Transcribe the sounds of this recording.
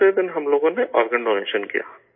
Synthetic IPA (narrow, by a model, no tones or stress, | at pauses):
ed̪ɪnɦɐmloːɡõneʔɔːɾɡənɖoːɾḛːʃənkḭja̰ː